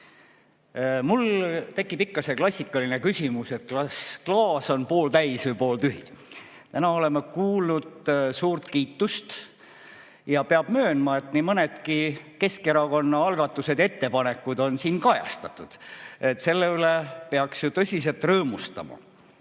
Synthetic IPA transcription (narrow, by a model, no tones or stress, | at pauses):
mult̪e̞kːˑipikːɑseklɑsʲːikːˑɑlinekysʲimuset̪̚klɑsklɑːso̞npo̞ːlt̪æjsupo̞ːlt̪yɦi | t̪ænɑo̞le̞mekuːlnud̪̥suːrt̪kiːt̪ːust̪ | jɑpeɑb̥mø̞ːnmɑe̞t̪nimɤned̪̥kike̞ske̞ɾɑko̞nːɑɑlɡ̥ɑt̪ːˑuse̞d̪jet̪ːe̞pɑne̞kːˑud̪̥o̞nsiːnkɑjɑ̰st̪ɑt̪ːˑud̪̥et̪se̞lːe̞ylepeɑksjut̪ɤsʲise̞lt̪rɤːmust̪ɑ̰mɑ̰